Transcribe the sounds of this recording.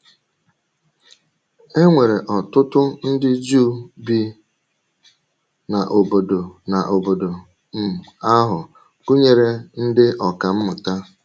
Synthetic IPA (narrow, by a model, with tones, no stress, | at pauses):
e˦ŋʷe˨ɾe˨ʔɔ˨tʊ˦tʊ˦n̩˦dɪ˦d͡ʒuː˦bi˦ | na˨ʔo˨bo˨do˨na˨ʔo˨bo˨do˨ | m̩˦a˦ɦʊ˨ | ku˦ɲe˨ɾe˦n̩˦dɪ˦ʔɔ˨ka˨m̩˦mʊ˨ta˦